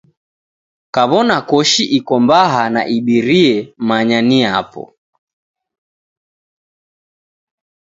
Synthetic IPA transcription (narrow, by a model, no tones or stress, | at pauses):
kaβɔnakɔʃiʔikɔmbaɦana̰ʔiɓiɾiɛmaɲaniapɔ̰